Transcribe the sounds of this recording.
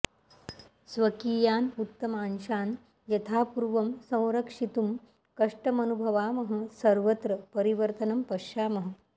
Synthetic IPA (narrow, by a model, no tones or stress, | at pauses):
sʋɐkiːjaːnut̪ːɐmaːnʃaːn | jɐt̪ʰaːpuɾʋɐmsɐ̃w̃ɾɐkʂit̪um | kɐʂʈɐmɐnubʱɐʋaːmɐɦɐ̆sɐɾʋɐt̪ɾɐpɐɾiʋɐɾt̪ɐnɐmpɐʃaːmɐɦɐ̆